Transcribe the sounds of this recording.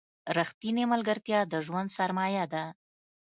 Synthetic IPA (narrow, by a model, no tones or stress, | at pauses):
ɾaxt̪inemalɡəɾt̪jɑd̪əʒwand̪saɾmɑjad̪a